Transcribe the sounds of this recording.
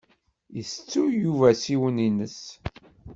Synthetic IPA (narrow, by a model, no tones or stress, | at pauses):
jəst͡sːujuvæsiwəninəs